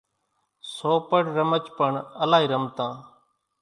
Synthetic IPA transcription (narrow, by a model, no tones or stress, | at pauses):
soːpəɽɾəmət͡ʃpəɳəlaːɦiːɾəmt̪ãː